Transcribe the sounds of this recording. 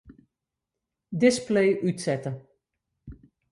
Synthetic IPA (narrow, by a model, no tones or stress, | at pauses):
dɪsplejʔytsɛtə